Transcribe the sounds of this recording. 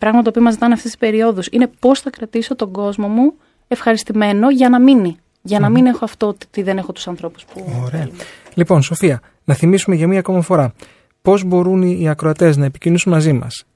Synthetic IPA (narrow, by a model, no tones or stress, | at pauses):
pɾɐɣmɐt̪t̪opio̞mɐzit̪ɐneɐft̪esispe̞ɾio̞ðusine̞po̞sθɐkɾɐt̪iso̞t̪o̞ɡo̞zmo̞mu | e̞fxɐɾist̪ime̞no̞ʝɐnɐmini | ʝɐnɐmine̞xoɐft̪ot̪t̪iðe̞ne̞xo̞t̪u̥sɐnθɾo̞pu̥spuoɾeɐ | lipo̞nso̞fiɐ | nɐθimisume̞ʝɐmiɐko̞mɐfo̞ɾɐ | po̞zbo̞ɾunːɐkɾo̞ɐt̪e̞znɐepicinusunmɐzimɐ̰s